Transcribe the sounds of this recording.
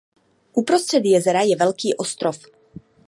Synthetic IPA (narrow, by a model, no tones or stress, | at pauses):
ʔupɾo̞st̪r̝̥ɛd̪jɛzɛɾajɛvɛlkiːʔo̞st̪ɾof